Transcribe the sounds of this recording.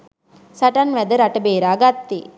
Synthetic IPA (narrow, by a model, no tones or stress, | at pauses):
saʈanʋæd̪əɾaʈəbeːɾaːɡat̪ːe